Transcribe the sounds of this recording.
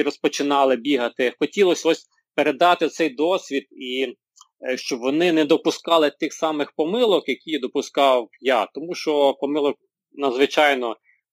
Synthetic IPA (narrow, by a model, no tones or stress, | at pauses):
ɾɔspɔt͡ʃɪnɑlˠɪbʲiɦɐt̪ɪxɔtʲilˠɔsʲɔsʲ | peɾed̪ɑt̪ɪt̪sɛjd̪ɔsʲʋʲid̪̚i | ʃt͡ʃɔbʋɔnɪnɛd̪ɔpʊskɑlˠɪt̪ɪxsɑmɪxpɔmɪlˠɔkjɐkʲijd̪ɔpʊskɑwjɑt̪ɔmuʃt͡ʃɔpɔmɪlˠɔk̚ | nɐd̪zʋɪt͡ʃɑjnɔ